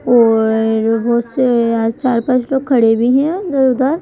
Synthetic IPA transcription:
ɔːɾʋosaːd͡ʒt͡ʃaːɾpãt͡ʃloːɡ̚kʰːɐɽebʱiɦɛ̃zɐɾud̪aːɾ

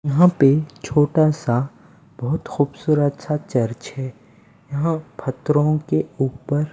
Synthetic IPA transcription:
jɐɦãpet͡ʃʰoːʈasa | b̥ɔɦʊt̪xuːbsuːɾət̪sat͡ʃɐɾt͡ʃɦɛː | jɐɦãpʰɐt̪ɾõkeuːpəɾ

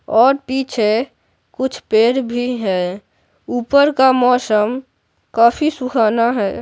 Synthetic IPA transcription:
ɔːɾpiːt͡ʃʰe | kʊt͡ʃʰpeːɾbʱiɦɛː | uːpəɾkamɔːsəm | kaːpʰisʊkʰaːnaɦɛː

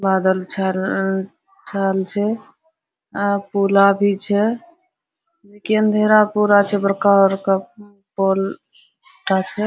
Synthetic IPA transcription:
bad̪əlt͡ʃʰa | t͡ʃʰalt͡ʃʰɛ | pulabʱit͡ʃʰɛ | lekiənd̪ʱeɾapuɾat͡ʃʰɛbəɾkaəɾka | pol | ʈat͡ʃʰɛ

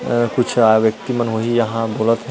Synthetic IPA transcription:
kʊt͡ʃʰaʋjək̚t̪imənɦoɦijɐɦãboːlət̪ɦɛ̃

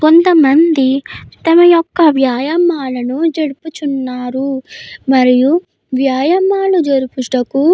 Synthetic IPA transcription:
ko̞nt̪ɐmɐnd̪it̪ɐmɐjɔkːɐʋjaːjɐmaːlɐnud͡ʒeɽuput͡ʃunːaːɾumɐɾiju | ʋjaːjɐmːaːlud͡ʒɐɾupuʂʈɐku

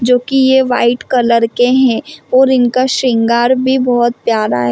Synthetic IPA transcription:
d͡ʒoːkijeʋaːɪʈkɐləɾkeɦɛ̃ɔːɾɪnkaʃɪ̃ŋɡaːɾbʱibɔɦɔt̪̚pjaːɾa̰ɦɛː

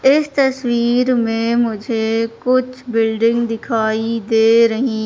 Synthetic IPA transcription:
ɪst̪ɐswiːɾmẽmʊd͡ʒʱekʊt͡ʃʰbɪlɖɪ̃ŋɡd̪ɪkʰaːid̪eːɾɐɦĩ

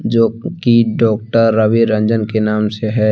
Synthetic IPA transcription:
d͡ʒoːkiɖɔːk̚ʈəɾːəʋiɾə̃nd͡ʒənkenaːmseɦɛ

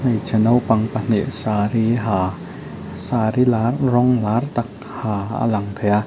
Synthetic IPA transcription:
najt͡ɕʰanawpaŋpaniʔsaɾiɦa | saːɾilaɾɔŋlaːrt̪ak̚ | haːa̰laŋt̪ʰɛa

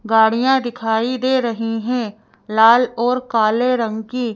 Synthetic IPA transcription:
ɡaːɽ̤ijãd̪ɪkʰaːid̪eːɾɐɦiɦɛ̃ː | laːlɔːɾkaːleɾə̃ŋɡkiː

